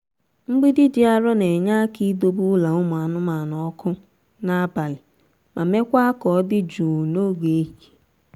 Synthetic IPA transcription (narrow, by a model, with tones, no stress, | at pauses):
ŋ͡m̩˦ɡ͡bi˦dɪ˦dɪ˨a˦ɾɔ˦ne˨ɲa˦ki˦do˦bʊ˦la˨ʊ˦mʊ˨a˨nʊ˦ma˨nɔ˨˦kʊ˦ | na˦ba˨lɪ˨ | ma˨me˦kʷa˦a˦kɔ˨˦dɪ˦d͡ʒu˨no˦ɡe˨˦ɦi˨